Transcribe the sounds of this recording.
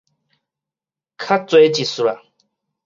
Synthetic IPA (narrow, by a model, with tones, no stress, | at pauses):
kʰa˦t͡swe˨˦t͡ʃi˨su˨ɾa̰˨